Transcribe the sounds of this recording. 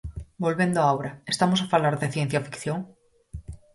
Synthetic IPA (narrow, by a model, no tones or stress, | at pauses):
bo̞lβe̞nd̪oaawɾaest̪amos̬afalaɾðeθje̞n̟θjafi̥kθjõŋ